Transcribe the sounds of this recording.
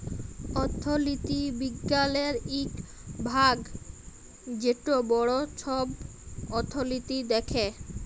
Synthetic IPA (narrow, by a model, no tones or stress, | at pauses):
ɔt̪ʰːolit̪ibiɡːaleɾiʈ | bʱaɡ | d͡ʑeʈobɔɽot͡ɕʰɔb | ɔt̪ʰːolit̪id̪ekʰe